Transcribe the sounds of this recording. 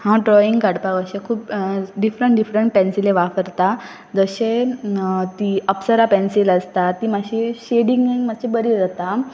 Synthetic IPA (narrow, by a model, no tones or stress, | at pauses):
hãɖɾɔiŋɡkaɽpakəɕekʰuːpɖifɾəɳʈɖifɾəɳʈ̚pɛ̃nsileʋafəɾt̪a | d͡zəɕe | t̪iəpsəɾapɛnsiləst̪at̪iːmaɕiɕeɽiŋɡiŋɡmat͡ɕʰibəɾiɾət̪a